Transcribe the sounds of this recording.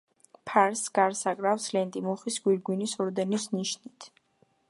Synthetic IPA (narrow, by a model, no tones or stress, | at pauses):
pʰaɾsɡ̥aɾsakʼɾafslɛnt̪ʼimɔχisɡ̥wiɾɡwinisɔɾd̪ɛnisniʃnit̪ʰ